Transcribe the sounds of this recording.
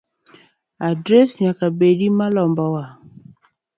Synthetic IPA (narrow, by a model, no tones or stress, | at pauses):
adɾesakabeɖimãlɔmbɔwa